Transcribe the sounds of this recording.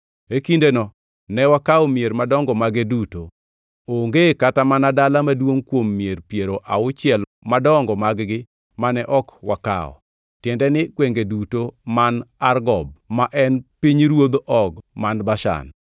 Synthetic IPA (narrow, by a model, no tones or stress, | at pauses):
ekindenɔ | nɛwakaɔmijeɾmadɔŋɡɔmaɡeduto | oŋɡekatamanadalamadwoŋkwomːjeɾpjeɾoʔaʊt͡ʃɪɛl | madɔŋɡɔmaɡɡɪ | manɛʔɔkwaka̰ɔ̰ | tjɛndɛnɪkweŋɡedutomanarɡɔb̚maʔɛnpiɲɾwod̪ʔɔɡmanbaʃa̰n